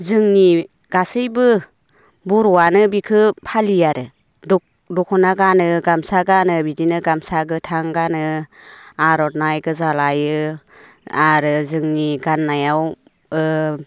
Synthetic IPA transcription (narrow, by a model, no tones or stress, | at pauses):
zɯŋni | ɡ̥asɯjbɯ | buɾɔwanɯbikʰɯpʰalijaɾɯ | dɔk | dɔkʰɔnaɡanɯɡamsaɡanɯbidinɯɡamsaɡɯtʰaŋɡanɯ | aɾɔtnajɡɯzalajɯ | aɾɯzɯŋniɡanːajaw | ɯ